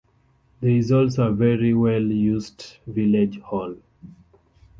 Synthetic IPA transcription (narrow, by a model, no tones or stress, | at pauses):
ðɛizɔlsovɛɹiwɛljusdviled͡ʒhɔl